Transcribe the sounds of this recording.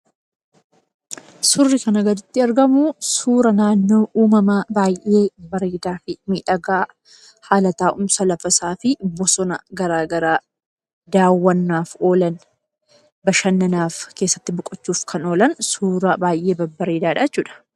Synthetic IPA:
sʊrːɪkɐnɐɡɐd̪ɪt̪ːɪɐɾɡɐmusuːɾɐnaːnːo̞ːʔuːmɐmaːbaːjʔeːbɐɾeːd̪aːfɪmiːᶑɐɡaː | haːlɐt̪aːʔʊmsɐlɐfɐsaːfɪbɔsɔnɐ̰ɡɐɾaːɡɐɾaː | d̪aːwːɐnːaːfo̞ːlɐn | bɐʃɐnːɐnaːfke̞ːsːɐ̥t̪ːɪbʊkʼɔt͡ʃːuːfkʰɐno̞ːlɐnsuːɾɐbaːjʔe̞ːbɐbɐɾeːd̪aːᶑaːt͡ʃːuːᶑɐ̥

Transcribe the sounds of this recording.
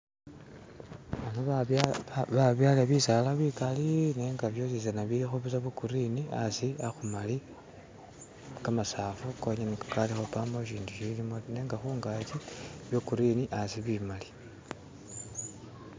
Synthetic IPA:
βano | βaβjalaβisalaβikalineːŋɡaβjosiz̬anaβiɾixoβisaβukuɾinia̰siaxumali | kamasaːfuko̞ɲenekakalixo̞pamboʃiːnduʃilimone̞ːŋɡaxuːŋɡatiβjokuɾiniʔasiβimali̥

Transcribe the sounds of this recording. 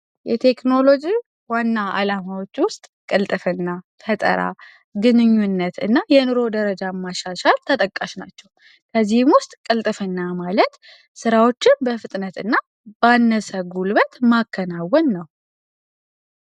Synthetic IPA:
jɛt̪ʰe̞kno̞lo̞d͡ʒi | wanːaa̰lamawo̞t͡ʃːwʊst̪ʼkʼɨlt̪ʼɨfɨnːa | fət̪ʼə̰ɾa̰ | ɡɨnɨɲːunːət̪ɨ̰nːajɛnɨɾo̞d̪əɾəd͡ʒamːaʃaʃalt̪ʰət̪ʼəkʼːaʃnat͡ʃːɛw | kʰəzːihɪmwʊst̪ʼkʼɨlt̪ʼɨfɨnːamalət̪ | sɨɾawo̞t͡ʃːɪnbəfɨt̪ʼnət̪ɨnːa | banːəsəɡulbət̪makʰːənawɔnːəw

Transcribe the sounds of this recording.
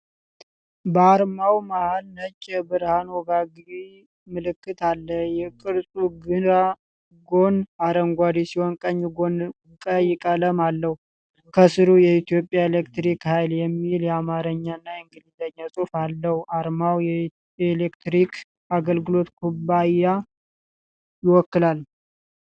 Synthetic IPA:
bəaɾmawmahalnət͡ʃʼːɛbɨɾhanwɔɡaɡi | mɨlɨkːɨt̪alːəjɛkʼɨɾsʼuɡɨɾa | ɡo̞naɾəŋɡʷad̪isihonkʼəɲːɡo̞n | kʼəjɪkʼələmalːəh | kʰəsɨɾujɛit̪ijo̞pʼjaelekt̪ɾikhajljɛmːiljɛamaɾəɲːanːaɛŋɡɨlid̪əɲːasʼufalːəhaɾmawjɛ | elekt̪ɾikʰ | aɡəlɡɨlo̞t̪kʰubaja | jɪwɔkːɨlal

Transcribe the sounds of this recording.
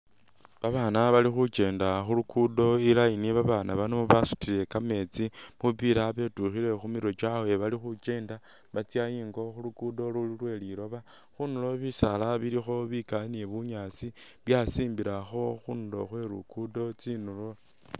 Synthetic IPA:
βaβaːnaβalixut͡ʃe̞ːndaxulukudo̞ilajiniβaβaːnaβanoβasu̥tile̞kame̞ːt͡simupiɾaβe̞tuxiɾe̞xumiɾo̞t͡ʃawe̞βalixut͡ʃe̞ːnda | βat͡sjajiːŋɡo̞xulukudo̞lululwe̞liɾo̞βa | xunulo̞βisalaβiɾixo̞βikaneβuɲaːt͡siβjasiːmbiɾaxo̞xunulo̞xwe̞ɾṵkudo̞t͡sinulo̞

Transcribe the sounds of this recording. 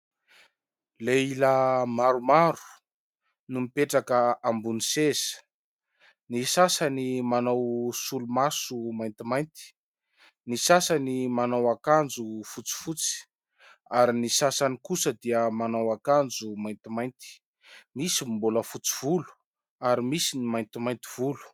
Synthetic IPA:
leilamaɾumaɾu̥ | numipeʈ͡ʂakəambunisez̥ | nisasanimanawsulumasumajnt̪imajnt̪i̥ | nisasanimanawakand͡zufut͡si̥fut͡si̥ | aɾinisasanikusəd̪iəmanawakand͡zumajnt̪imajnt̪i̥ | misimbuləfut͡si̥v̥ulu̥ | aɾimisinimajnt̪imajnt̪i̥v̥ulu̥

